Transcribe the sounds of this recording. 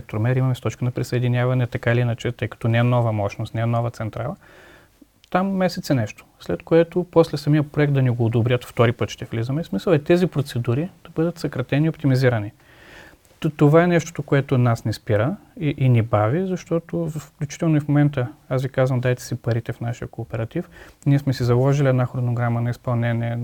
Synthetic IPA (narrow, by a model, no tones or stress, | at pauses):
ɛk̚t̪oɾmɛɾimɐmɛst̪ɔt͡ʃkənɐpɾisɐɛd̪inʲavɐnɛt̪ɐkailinɐt͡ʃɛt̪ɤjkɐ̥t̪ɔnɛɛnɔvəmɔʃnost̪nɛɛnɔvət̪sɛnt̪ɾalˠɐ | t̪amːɛsɛt̪sɛnɛʃt̪o̥slɛt̪koɛt̪opɔslɛsɐmijəpɾoɛk̚t̪d̪ɐnɛɡoːd̪obɾʲət̪ft̪ɔɾipɤt̪ʃt̪ɛflizəmɛsmisəlˠɛt̪ɛzipɾot̪sɛd̪uɾid̪̥ɐbɤd̪ət̪sɐkɾɐt̪ɛniopt̪imiziɾɐni | t̪ovaɛnɛʃt̪o̥t̪okoɛt̪ʊnasnispiɾəiʔinibavizɐʃt̪ɔt̪ovfklʲut͡ʃi̥t̪ɛlˠnoifmomɛnt̪əasvikazvɐmd̪ajt̪ɛ̥sipɐɾit̪ɛfnaʃijəkoːpɛɾɐt̪ifniɛsmɛsizɐlˠɔʒiliɛd̪naxɾonoɡɾamənɐispɐlˠnɛniɛ